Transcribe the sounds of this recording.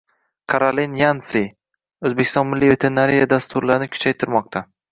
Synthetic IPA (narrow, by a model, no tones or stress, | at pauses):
kʰaɾolinjansi | ɵzbekʲɪ̥st̪ɒnmɪlːijvet̪ʰenaɾijad̪ast̪ʊɾlaɾɪnɪkʰʊ̥t͡ʃʰajt̪ʰɪɾmɒq̚t̪ʰa